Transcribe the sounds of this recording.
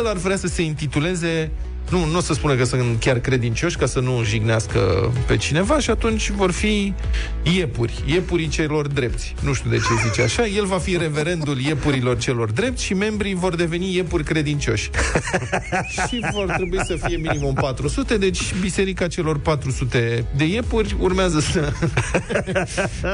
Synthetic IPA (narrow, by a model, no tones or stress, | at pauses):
larvɾeasəse̞int̪it̪ule̞ze̞ | nunosəspunəkəsɨnt̪kʲarkɾe̞d̪int͡ʃo̞ʃʲkasənuʒiɡneaskə̰pe̞t͡ʃine̞vaʃiat̪unt͡ʃʲvo̞rfi | jepurʲje̞puɾit͡ʃelo̞rd̪ɾe̞p̚t̪sʲnuʃt̪ud̪e̞t͡ʃe̞zit͡ʃeaʃaje̞lvafiɾe̞ve̞ɾe̞nd̪ulje̞puɾilo̞rt͡ʃe̞lo̞rd̪ɾe̞pt̪sʲʃime̞mbɾivo̞rd̪e̞ve̞nije̞purʲkɾe̞d̪int͡ʃo̞̰ʃʲ | ʃivo̞rt̪ɾebuisəfije̞minimumpat̪ɾusut̪e̞d̪e̞t͡ʃʲbise̞ɾikat͡ʃe̞lo̞rpat̪ɾusut̪e̞d̪e̞je̞purʲurmeazəsə